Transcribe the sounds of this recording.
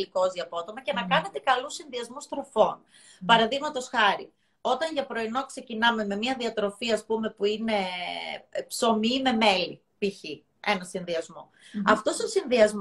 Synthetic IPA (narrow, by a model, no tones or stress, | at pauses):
liko̞ziɐpoot̪o̞mɐce̞nɐkɐne̞t̪e̞kɐlusːinðiɐzmust̪ɾofo̞n | pɐɾɐðiɣmɐt̪o̞sxɐɾi | o̞t̪ɐnʝɐpɾo̞ino̞kse̞cinɐme̞me̞miɐðiɐt̪ɾo̞fiɐspume̞puine̞ | pso̞mime̞me̞li | piçi | e̞nɐsinðiɐzmo̞ | ɐft̪o̞st̪osinðiɐzm